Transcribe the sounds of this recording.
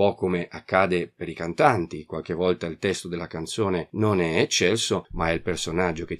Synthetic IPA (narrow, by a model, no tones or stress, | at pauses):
pɔkːomeʔakːaːd̪epeɾikant̪ant̪ikwalk̟evɔlt̪ailt̪ɛst̪od̪elːakant̪soːnenonɛet͡ʃːɛlsomaɛilpersonad͡ʒːoke